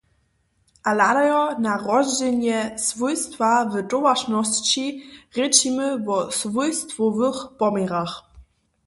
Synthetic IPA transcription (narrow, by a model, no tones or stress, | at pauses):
ʔaladajɔnaʁɔzd͡ʑɛnjɛsvujst̪vavədɔvaʃnɔst͡ɕiʁɛt͡ɕimɘvɔsvujst̪vɔvəxpɔmɛʁax